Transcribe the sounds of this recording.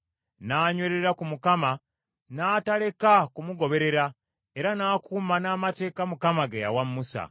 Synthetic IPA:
naːɲweɾe̞ɾakumukama | naːtale̞kakumuɡo̞βe̞ɾe̞ɾa | e̞ɾanaːkʰumanaːmate̞ːkamukamaɡeja̰wamːusa̰

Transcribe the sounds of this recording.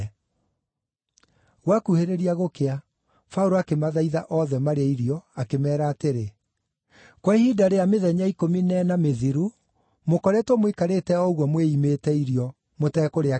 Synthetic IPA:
ɣwakuheɾeɾiaɣokea | fauɾoakemaðaiðaʔɔðɛmaɾeaiɾijɔakemɛːɾaːteɾe | kwɛhidaɾejameðɛɲaikominɛnameðiɾu | mokɔɾɛtwɔmwekaɾeːtɛɔɣwɔmweimetɛiɾjɔ | motɛkoɾea

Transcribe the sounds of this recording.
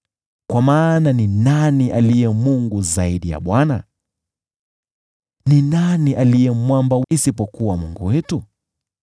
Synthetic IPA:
kwamaːnaninaniʔalijɛmuŋɡuzaiɗija̰ɓwana̰ | ninaniʔalijɛmwambaisipɔkuwamuŋɡuwɛtu

